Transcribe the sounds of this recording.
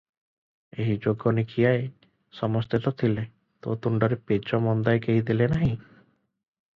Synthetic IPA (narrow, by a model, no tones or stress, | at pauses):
eɦid͡ʒoɡːɔnikʰijae | sɔmɔst̪et̪ɔt̪ʰile | t̪o̰t̪uɳɖɔɾeped͡ʒɔmɔnd̪ajkeɦid̪ilenaɦĩ